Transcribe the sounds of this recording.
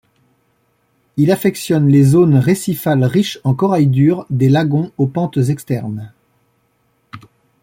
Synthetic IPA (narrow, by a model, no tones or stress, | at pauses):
ilafɛksjɔnlezonʁesifalʁiʃɑ̃kɔʁajd̪yʁd̪elaɡɔ̃opɑ̃t̪zɛkst̪ɛʁn